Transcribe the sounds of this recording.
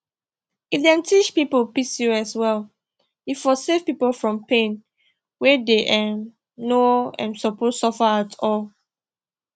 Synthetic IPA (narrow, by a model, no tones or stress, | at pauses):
ifdɛ̃ntʰit͡ʃpipolpisuɛswɛl | jifɔsevpipolfɹɔ̃mpẽn | wedeʔɛ̃m | noɛ̰̃nsɔpossɔfaatʰɔl